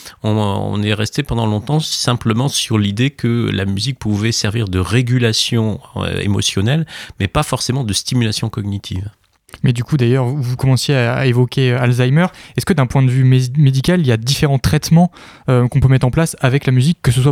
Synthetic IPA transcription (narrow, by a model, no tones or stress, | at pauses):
ɔ̃ɔ̰̃nɛʁɛst̪epɑ̃d̪ɑ̃lɔ̃t̪ɑ̃sɛ̃pləmɑ̃syʁlid̪ekʰəla̰myzik̚puvɛsɛʁviʁd̪əʁeɡʲylasjɔ̃ø̰ḛmɔ̰sjɔnɛlmɛpafɔʁsemɑ̃d̪əst̪imylasjɔ̃kɔɡnit̪ʰḭv | mɛd̪ykud̪ajœʁvukɔmɑ̃sjea̰evɔkʲeøalzajmœʁɛskəd̪ɛ̃pwɛ̃d̪əvymmed̪ikʲaliljad̪ifeʁɑ̃t̪χɛt̪mɑ̃ | økɔ̃pømɛt̪χɑ̃plasavɛklamyzikːəs̬əswa